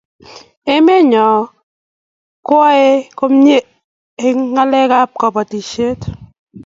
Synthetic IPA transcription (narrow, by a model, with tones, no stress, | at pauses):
e˦me˦ɲɔ˨ | kwɔ˦e˦kɔ˦mɲe˦ | e˦ŋa˦lɛ˦ka˦p̚kɔ˨pɔ˨ti˨ʃe˦t